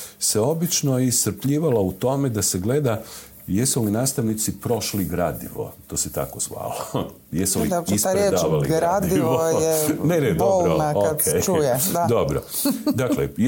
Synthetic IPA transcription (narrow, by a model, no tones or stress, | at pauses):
seo̞bit͡ʃnoist̪ɾ̩pʎiːʋalaut̪o̞me̞d̪ase̞ɡle̞d̪a | jesulinaːst̪aʋnit̪sipɾo̞ʃliɡɾa̰d̪ḭʋo̞̰t̪oːset̪a̰ko̞zʋa̰ːlo | jesuliisɾeed̪aʋalḭɾad̪iiʋojɛnenedooɾonaoakejt͡ʃujɛd̪ad̪obɾo̰ | d̪aklḛ